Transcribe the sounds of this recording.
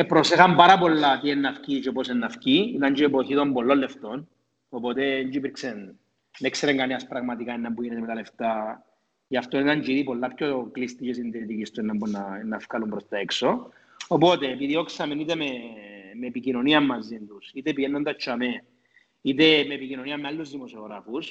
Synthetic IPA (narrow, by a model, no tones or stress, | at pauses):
epɾo̞sexɐmbɐɾɐpo̞lːɐt̪ienːɐfcit͡ʃeoposenːɐfciit̪ɐɲd͡ʒiepo̞çit̪o̞mbo̞lːo̞lːeft̪o̞n | opo̞t̪e̞ːɲd͡ʒuipiɾksenː | ekseɾeŋɡaneɐspɾɐɣmɐt̪ikaenːɐmpuʝinet̪emt̪ale̞ft̪a | jɐft̪onit̪ɐɲd͡ʒiðipo̞lːɐpçoklist̪ices̬ind̪iɾit̪icist̪uenːɐmbunːɐnːɐfkalumpɾost̪ɐekso̞ | opo̞t̪eːpiðioksɐmenit̪ememeːpicino̞niɐmːɐzːind̪usit̪e̞piʝenːond̪ɐt͡ʃʰːɐme | it̪̬e̞meːpicino̞niɐmːealːuzðimosioɣɾɐfus